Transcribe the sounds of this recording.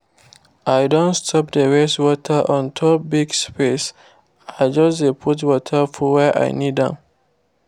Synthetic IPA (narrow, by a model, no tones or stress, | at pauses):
ajdõntstʰɔp̚dəɹɛstwɔtʰəʔɔ̃ntʰɔbiɡspes | ajd͡ʒɔsdepʰut̬wɔtʰəfɔwɛʔa̰jnidã̰n